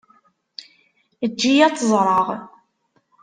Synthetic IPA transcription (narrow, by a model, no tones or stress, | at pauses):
əd͡ʒːijæt͡sːəzˤɾˤɑʁ